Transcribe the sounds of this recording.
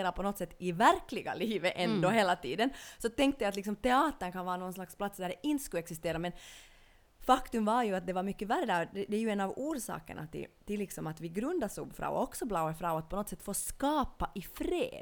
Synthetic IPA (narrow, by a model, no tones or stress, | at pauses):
ɾaɾpʰɔnɔt̪ːsɛt̪ːɪvæɾklɪɡa̰liːvəʔɛnd̪oɦeːlat̪ʰiːd̪ənsɔt̪ɛŋk̚t̪ːəjajat̪lɪksɔmt̪ɛɑːt̪əɳkʰanʋɑːɾnoɡɔnslakspʰlat̪sd̪æɖɛʔɪnt̪skʉɛksɪst̪eːɾamɛn | fakt̪ʉmvaɾjʉat̪̚d̪ɛvaɾmʏkːəværːəd̪æɾd̪ɛd̪ɛːɾjʉɛnːavuːɾʂɑ̰ːkə̰ɳʔa̰t̪ɪ̰t̪ɪlːɪksɔmat̪ʋvɪɡɾʉnd̪aʂṵːbfɾɑ̰ɔ̰ɔksɔblɑʊaɾfɾɑːat̪̚pʰɔnɔt̪sɛt̪ːfoːskɑːpaʔɪfɾḛːd̪